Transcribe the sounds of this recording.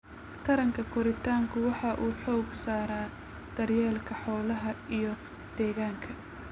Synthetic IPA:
t̪ʰɐɾɐŋkʰɐkʰɔɾɪt̪ʰaːŋkʰʊwɑħɑʔuːħɔːɡsaːɾaː | d̪̥ɐrjɛːlkʰɐħɔːlɐɦɐijɔ | d̪̥ɛːɣaːŋkʰɐ

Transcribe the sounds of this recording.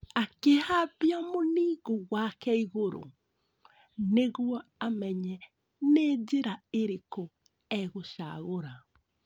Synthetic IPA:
akehabiamoniɣoɣwakɛiɣoɾo̰ | neɣwɔamɛɲɛ | ned͡ʒeɾaeɾeko | ɛɣoʃa̰ɣoɾa

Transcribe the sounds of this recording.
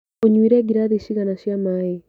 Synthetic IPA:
oɲwiɾɛɡiɾaðeʃiɣanaʃjamae

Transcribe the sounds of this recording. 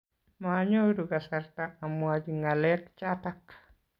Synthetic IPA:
maɲoduɡasaɾtaːmuad͡ʒiŋalɛkt͡ʃatak

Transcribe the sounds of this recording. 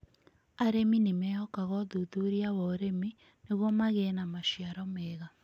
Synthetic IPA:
aɾeminemɛɔkaɣɔðuðuɾiaβɔɾemi | neɣɔmaɣɛnamaʃiaɾɔmɛːɣa

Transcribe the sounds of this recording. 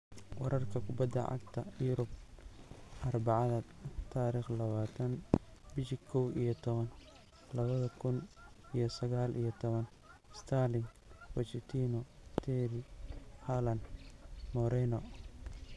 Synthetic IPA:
wɑɾʔɐrkʰɐkʰʊbɐd̪ːɐ̰ʕɑ̰ɡt̪ʰɐjʊɾʊb̚ | ʔɐrbɑʕɑðɐt̪ʰaːɾiːχlɐβaːt̪ʰɐnbɪʃɪkʰɔwʔijɞt̪ʰɔβɐn | lɐβɐðɐkʰʊnijɞsɐɣaːlʔḭjɞt̪ʰɔβɐn | st̪ʰaːlɪŋ | wɐt͡ʃɪt̪ʰiːnɔt̪ʰɛɾɪhalɐnmɔɾɛnɔ

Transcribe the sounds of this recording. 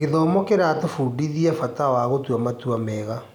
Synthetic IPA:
eðɔːmɔkeɾatofuːdiðiafatawaɣotuamatuamɛːɣa

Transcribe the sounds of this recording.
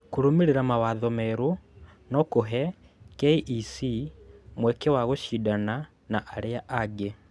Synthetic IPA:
kuɾumeɾeɾamawaðɔmɛɾo | nɔkoɦɛ | keiʔisimwɛkewaɣoʃidana | naʔaɾeaʔaɡe

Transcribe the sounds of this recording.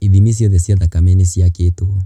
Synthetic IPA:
iðimis̬iɔðɛsjaðakamɛnesiaketo

